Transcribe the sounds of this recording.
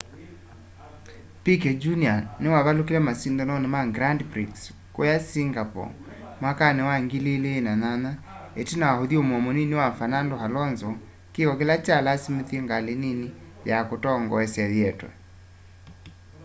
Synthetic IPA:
pikɛd͡ʒunianewaβalokilɛmasindɔnɔnemaɡɾandpɾiks | kojasiŋɡapɔ̰ | mwakanewaŋɡileleːnanana | etinawahoðiomwɔmɔninewafanandohalɔnzɔ | keɣɔkelat͡ʃalasimeθiɛŋɡalenini | jakotɔŋɡɔɛsjaðɛtwɛ̰

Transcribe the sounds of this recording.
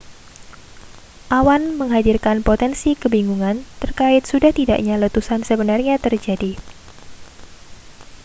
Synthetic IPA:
ʔawanməŋɦadirkanpot̪ɛnsikəbiŋɡuŋant̪ərkaɪt̪̚sudaht̪ida̰ʔɲalət̪usansəbənarɲat̪ərd͡ʒadi

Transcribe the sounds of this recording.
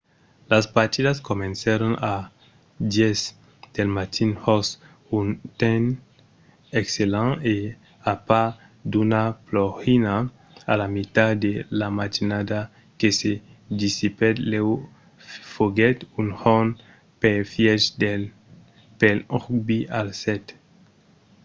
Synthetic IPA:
laspaɾt̪id̪askomẽnsaɾona | d̪jez | d̪̥elmat̪ʰinhos | unt̪en | ekselãŋe | apa | d̪unaploxina | alamit̪ad̪elamat̪inad̪a | kesed̪isipɛt̪lew | foɡɛt̪unhon | peɾfjɛsde | pelubialsɛt̪

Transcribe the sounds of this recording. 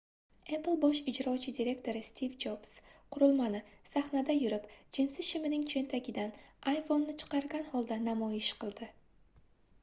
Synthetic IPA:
eplˠbɒʃɪd͡ʒɾɒt͡ʃʰɪd̪iɾʲe̞kt̪ʰo̞ɾɪst̪ʰivd͡ʒobsqʰʊɾʊlˠmanɪsaχnad̪ajʊɾɪpd͡ʒɪnsɪzʃɪmɪnɪŋt͡ʃʰe̞nt̪ʰaɡʲɪd̪anajfo̞nːɪt͡ʃʰɨ̥qɑɾɡʲanhɒlˠd̪anamɒjɪʃqʰɨlˠd̪ɪ

